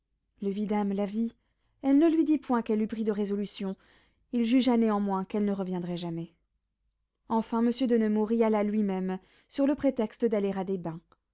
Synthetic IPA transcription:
ləvid̪amlavi | ɛlnəlɥid̪ipwɛ̃kɛlːypχid̪əʁezɔlysjɔ̃ | ilʒyʒaneɑ̃mwɛ̃kɛlnəʁəvjɛ̃d̪ʁɛʒamɛ | ɑ̃fɛ̃məsjød̪ənəmuʁialalɥimɛm | syʁləpχet̪ɛkst̪əd̪aleʁad̪ebɛ̃

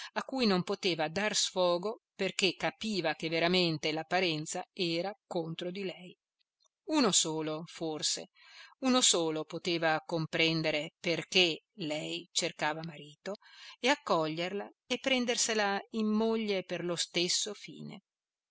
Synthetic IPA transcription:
akːuːjnompot̪eːvad̪arsfɔːɡoperk̟ekːapiːvakevːeɾament̪elapːaɾɛnt̪saɛːɾakont̪ɾod̪ilɛj | uːnosoːloforsḛ | unosoːlopot̪eːvakompɾɛnd̪eɾeperke | lɛjt͡ʃerkaːvamaɾiːt̪oeakːɔʎːerlaepːɾɛnd̪erselaimːoʎːeperlost̪esːofḭːnḛ

